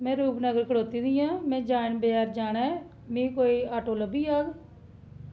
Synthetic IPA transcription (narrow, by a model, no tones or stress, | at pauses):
mɛ̃ːɾuːpnəɡəɾkəɽoːt̪iːd̪ɪjãːmɛ̃ːd͡ʒaːɪnbɪaːɾd͡ʒaːnɛː | mĩːkoːiːaːʈoːləbiːaːɡ